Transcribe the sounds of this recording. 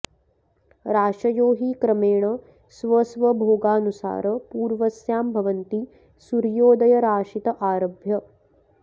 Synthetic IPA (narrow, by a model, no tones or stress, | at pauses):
ɾaːʂɐjoːɦiːkɾɐmeːɳɐ | sʋɐsʋɐbʱoːɡaːnusa̰ːɾɐpuːɾʋɐsjaːmbʱɐʋɐnt̪i | suɾjoːd̪ɐjɐɾaːʂit̪ɐʔaːɾɐbʱjɐ